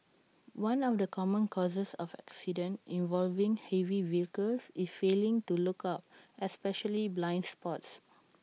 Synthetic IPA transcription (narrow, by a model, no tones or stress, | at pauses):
wãnɔfdəkʰɔmə̃nkʰɔzəsɔfɛ̰ksidə̃ntĩnvɔlvĩŋhɛviviəkəlsisfelɪ̃ŋtulukʰap̚ɛspɛʃəliblãɪ̃ndspɔts